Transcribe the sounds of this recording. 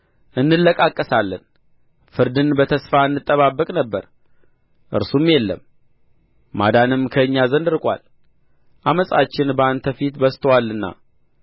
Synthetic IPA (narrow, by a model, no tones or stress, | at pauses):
ʔɨnːɨlːəkʼakʼːəsalːə̰n | fɨɾd̪ɨnbət̪ʰəsfaɨnːɨt̪ʼːəβabːəkʼnəbːəɾ | ʔɨ̰ɾsumjelːə̰mː | a̰d̪anɨmkʰəɨɲːazənd̪ɨɾkʼʷa̰l | ʔaməsʼat͡ʃːɪnbəant̪ʰəfit̪bəst̪ʰəwalːɨnːa̰